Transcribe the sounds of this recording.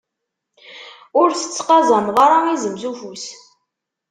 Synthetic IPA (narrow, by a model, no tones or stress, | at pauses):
ʊɾθə̥t͡sːqɑzˤəmðɑɾˤaizəmzufus